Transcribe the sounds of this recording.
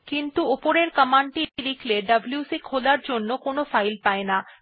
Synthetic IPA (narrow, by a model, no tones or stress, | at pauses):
kint̪uopoɾeɾkəmaɳʈiɾikʰleɖəbljusikʰolaɾd͡ʑonːokonofajlpaena